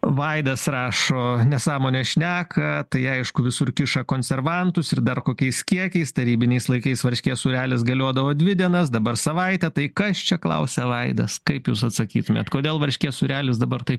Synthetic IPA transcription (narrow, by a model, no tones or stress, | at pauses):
ʋɐɪd̪ɐsrɑːʃoːnʲɛsɑːmoːnʲeʃʲnʲæːkʰɐt̪ɐɪɐɪʃkʊʋʲɪsʊɾkʲɪʃɐkoːnʲsʲɛrʋɐnt̪ʊsɪɾd̪ɐrkoːkʲɛɪskʲiɛkʲɛɪst̪ɐɾʲiːbʲɪnʲɛɪslˠɐɪkɐɪsʋɐɾʲʃʲkʲeːsuːɾʲæːlʲɪsɡɐlʲoːd̪ɐʋoːd̪ʲʋʲɪd̪ʲiɛnɐsd̪ɐbɐrsɐʋɐɪt̪ʲɛt̪ɐɪkɐst͡ʃʲɛklˠɐ̰ʊsʲɛʋɐɪd̪ɐskɐɪpjuːsɐt̪sɐkʲiːt̪ʊmʲḛt̪koːd̪ʲeːlˠʋɐɾʲʃʲkʲeːsuːɾʲæːlʲɪs̬d̪ɐbɐrt̪ɐɪp